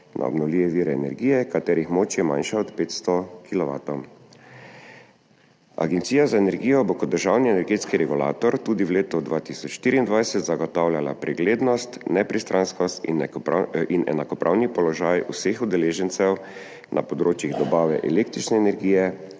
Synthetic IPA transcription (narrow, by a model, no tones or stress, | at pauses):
nʔa̰ɔ̰bnɔwliːʋɛʋiːɾɛɛnɛ̰ɾɡiːjɛkat̪ɛːɾixmoːt͡ʃjɛma̰nʃaɔt̪peːt̪st̪ɔkʰilɔʋa̰ːt̪ɔwm | a̰ɡɛnt̪siːjazaɛnɛɾɡijɔbokɔd̪dːəɾʒaːwniɛnɛɾɡeːt̪skiɾɛɡula̰ːt̪ɔɾt̪uːd̪iwleːt̪ɔd̪ʋaːt̪isɔt͡ʃʃt̪iːɾiind̪ʋajsɛt̪zaɡɔt̪awlʲjala̰pɾɛɡleːd̪nɔst̪nɛpɾist̪ɾʔanskɔst̪ḭn | inɛ̰nakɔpɾʔa̰wnipɔlɔʒaːjṵsexud̪ɛleːʒɛnt̪sɛw | nʔa̰pɔd̪ɾoːt͡ʃjiɣd̪ɔbaːʋɛ̰ʔɛ̰lekt̪ɾit͡ʃnɛːnɛɾɡiːjɛ